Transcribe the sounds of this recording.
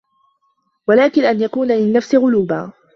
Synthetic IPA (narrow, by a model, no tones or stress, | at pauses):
walaːkɪnʔanjakuːnalɪnːafsɪɣʊluːba̰ː